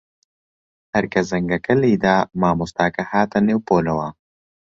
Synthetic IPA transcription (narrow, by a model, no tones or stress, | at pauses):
hɐɾkɐzɐŋɡɐkɐliːd̪aːmaːmust̪aːkɐhaːt̪ɐneːwpoːlɐwɐ